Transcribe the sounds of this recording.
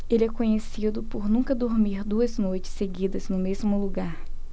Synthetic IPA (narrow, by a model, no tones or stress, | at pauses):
elɪɛkõɲesid̪ʊpoɾnũkɐd̪oɾmiɾd̪uɐznojt͡ʃɪ̥sːeɡid̪ɐznʊmezmʊluɡaɾ